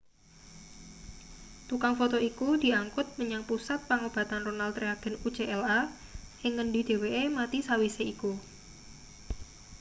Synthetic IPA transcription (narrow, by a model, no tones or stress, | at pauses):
t̪ukaŋfot̪oikud̪̥i̤aŋkʊt̪̚məɲaŋpusat̪̚paŋob̥a̤t̪anronalt̪ɾeaɡ̥ɛ̤nut͡ʃeʔɛla | hɪŋːənɖi̤d̪̥e̤weʔemat̪isawiseiku